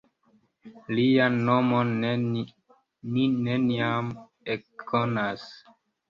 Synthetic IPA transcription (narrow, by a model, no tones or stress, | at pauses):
lianːomon | nineniam | ekʰːonas